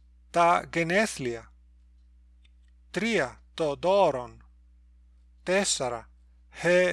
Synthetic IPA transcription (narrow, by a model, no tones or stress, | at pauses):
t̪ɐɡeneθliɐ | t̪ɾiɐt̪od̪oɾon | t̪esaɾɐ̰ | he